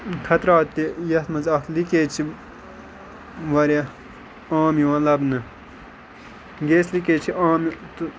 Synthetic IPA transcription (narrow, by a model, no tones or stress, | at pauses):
k̪ʰɐt̪ɾaːt̪ijɐt̪mɐzɐk̪likeːt͡ʃʰi | ʋɐɾja | aːmjiʋãːlɐbnɨ | ɡeːslikeːt͡ʃʰiaːmt̪